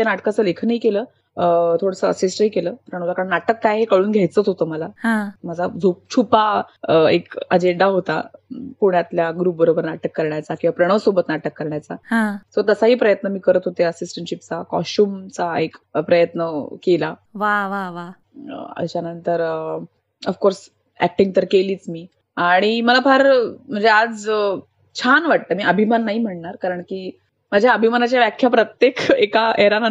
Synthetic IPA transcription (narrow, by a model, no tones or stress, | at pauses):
t̪janaʈkat͡səːlekʰnəɦiːkeləː | ət̪ʰoɽəsəəsisʈəɦiːkeləːpɾəɳ̃əʋlakaɾəɳnaʈəkːajɦekəɭuːnɡʱjajt͡səːt͡sɦot̪əːməlaɦãməd͡zʱad͡zʱop̚t͡ɕʰupaḛkəd͡ʑeɳɖaɦot̪a̰puɳjat̪ljaɡɾuːp̚bəɾobəɾnaʈəkːəɾɳjat͡sakĩw̃ʋapɾəɽ̃əʋsobət̪naʈəkːəɾɳjat͡saɦãsət̪əsaɦiːpɾəjət̪nəmiːkəɾət̪ɦot̪eəsisʈəɳʈɕip̚t͡sakɔ̰sʈuːmt͡saekpɾəjət̪nəkelaʋaʋaʋa | ə̰ɕjanənt̪əɾ | əfkoɾs | æ̰k̚ʈiŋɡ̚t̪əɾkeliːt͡smiː | aɽ̃iməlapʰaɾm̤ənd͡zead͡z | t͡ɕʰanʋaʈ̚t̪əmiːəbʱimanːaɦiːm̤əɳɳaɾkaɾəɳkiː | məd͡ʑʱjaəbʱimanat͡ɕjaʋjakʰjapɾət̪jekekaʔeɾan